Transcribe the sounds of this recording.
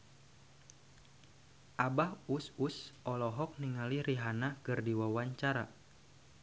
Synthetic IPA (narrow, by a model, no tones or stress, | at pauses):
ʔabahususɔlɔɦɔk̚niŋaliɾiɦanakɨrdiwawaɲt͡ʃaɾa̰